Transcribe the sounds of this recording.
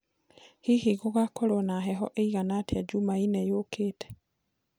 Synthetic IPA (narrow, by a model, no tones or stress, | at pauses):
hihiɣoɣakoɾonaɦɛɦɔʔeiɣanatead͡ʒumainɛjoːkʰeːtɛ̥